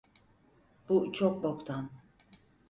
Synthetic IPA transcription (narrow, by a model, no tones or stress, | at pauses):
b̥ut͡ʃʰok̚bokt̪ʰan